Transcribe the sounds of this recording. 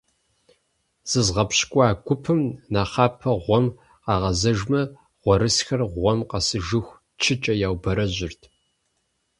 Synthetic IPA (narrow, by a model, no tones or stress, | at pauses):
z̥ɨzʁɐpɕkʷʼɑːɡʷʊpʰɨmnaːχɑːpʰɐʁʷɔm | qɑːʁɐzɐʒmɐ | ʁ̥ʷɔɾɨsxɐrʁʷɔmqɐsɨʒɨxʷ | t͡ʃʰɪt͡ʃʼɐjaːwbɐɾɐʑɪrtʰ